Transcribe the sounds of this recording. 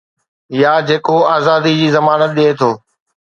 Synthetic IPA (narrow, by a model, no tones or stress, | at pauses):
ɪjaːd͡ʑeːkoaːzaːd̪id͡ʑiːzɐmaːnət̪̚ɗeːt̪ʰoː